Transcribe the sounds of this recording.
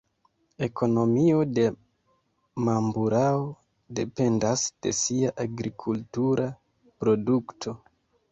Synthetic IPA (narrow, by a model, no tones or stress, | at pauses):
e̞kʰo̞no̞mio̞de̞ | mambuɾao | de̞pe̞ndasd̥e̞siaʔaɡɾikʰultuɾʔa | pɾo̞duktʰo̞